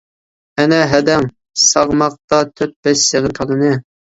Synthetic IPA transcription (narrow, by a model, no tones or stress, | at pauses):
ɛnɛɦæd̪ɛŋ | sɑʁmɑq̚t̪ɑt̪ʰøt̪̚bɛʃseʁəɾkʰɑlˠɨnɨ